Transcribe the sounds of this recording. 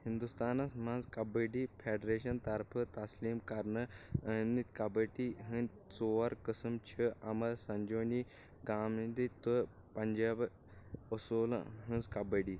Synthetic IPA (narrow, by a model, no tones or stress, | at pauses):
hind̪ust̪anasmãnzkabəɖifʰeɖɾeɕɐnt̪aɾpʰət̪asliːmkaɾnəənnit̪kabəʈiɦə̃n | t͡soʋaɾkəsəmt͡ɕʰəʔamɐlsɐ̃ɲd͡ʑoni | ɡamid̪it̪ə | pɐɲd͡ʑab | əsol̰ɦə̃nzkabəɽiː